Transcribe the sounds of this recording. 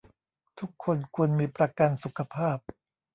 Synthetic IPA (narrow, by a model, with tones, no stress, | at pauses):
t̪ʰu˦˥kʰːo˧nkʰu˧ənmiː˧pɾa˧ka˧nsu˨˩kʰa˧pʰaː˥˩p̚